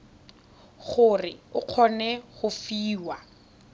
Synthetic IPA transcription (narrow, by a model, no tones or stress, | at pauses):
χʊrɪʊq͡χʰɔnɛχʊfiːwa